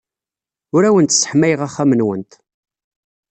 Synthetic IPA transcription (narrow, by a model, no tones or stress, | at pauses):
ʊɾæwənt̪sə̥ħmæjʁæχːæmənwənt̪